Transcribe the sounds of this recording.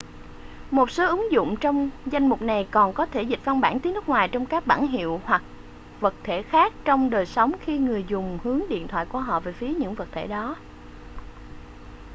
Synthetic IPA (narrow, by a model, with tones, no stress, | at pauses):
mo˨˩t̚so˨˦ʔɨ˨˦ŋzʊ̰˧˨ŋ͡mt͡ɕɔ˧wŋ͡mza˧jŋ̟mʊ˨˩k͡p̚na˨˩jkɔ˨˩nkɔ˨˦t̪ʰe˧˩zï˨˩t̟̚va˧nɓaː˧˩nt̪i˨˦nɨ˦˥k̚ŋwaː˨˩jt͡ɕɔ˧wŋ͡mkaː˦˥k̚ɓa̰ː˧˩nɦḭ˧˨əwhwa˨˩k̚ | və˨˩t̚t̪ʰe˧˩xaː˦˥k̚t͡ɕɔ˧wŋ͡mɗəː˨˩jsə˨˦wŋ͡mxi˧ŋɨ˨˩əjzʊ˨˩ŋ͡mhɨ˨˦əŋɗḭ˧˨ənt̪wa̰ː˧˨jku˧˩əɦɔ̰˧˨veː˨˩fi˨˦əɲɨ̰˧˥ŋvə˨˩t̚t̪ʰḛ˧˩ɗɔ˨˦